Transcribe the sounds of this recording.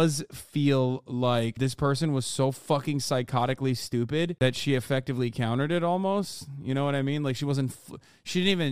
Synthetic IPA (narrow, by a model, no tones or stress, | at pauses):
ʌz̥filˠlaɪk̚ðɪspʰɜ˞sɨ̃nwʌz̥soʊfʌkɪ̃ŋsaɪkʰɑɾɨklistʉpɪd̪̚ðɨtʃiɨfɛk̚tɨvlikʰãʊ̃ɾ̃ə˞ɾɨɾɔlˠmoʊstjɨɾ̃oʊwʌɾaɪmĩnlaɪkʃiwʌzɨ̃n̩tf | ʃidɪdn̩tivɨ̃n